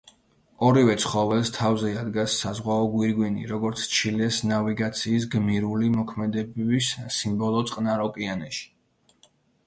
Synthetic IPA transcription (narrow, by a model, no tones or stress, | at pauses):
ɔɾivɛt̪sʰχɔvɛlˠst̪ʰavzɛad̪ɡasːazʁwaɔɡwiɾɡwinḭɾɔɡɔɾt̪sʰt͡ʃʰilɛsnaviɡat̪sʰiːs̬ɡmiɾulimɔkʰmɛd̪ɛbɛbisːimbɔlˠɔt̪sʼqʼnaɾɔkʼianɛʃi̥